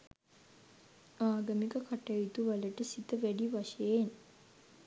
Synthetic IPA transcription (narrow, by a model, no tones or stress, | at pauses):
aːɡəmikəkaʈɐit̪uʋaləʈəsit̪əʋæɖiʋaʃəjen